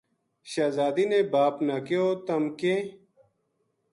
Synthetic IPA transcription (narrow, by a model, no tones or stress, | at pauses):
ɕaːzaːd̪inebaːpnɐkioːt̪ɐmke